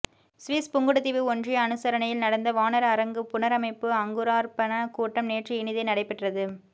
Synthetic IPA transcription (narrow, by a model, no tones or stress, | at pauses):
sʋiːspʊŋɡɯɽɯt̪ːɪʋɯɔndrijɐnɯsɐɾɐnɐjɪlnɐɽɐnd̪ɐʋaːnɐɾɐɐɾɐŋɡɯpʊnɐɾɐmɐɪpːɯɐŋɡɯɾaːɾpɐnɐkuːʈːɐmneːʈriɪnɪðɐɪnɐɽɐɪpːɛʈrɐðɯ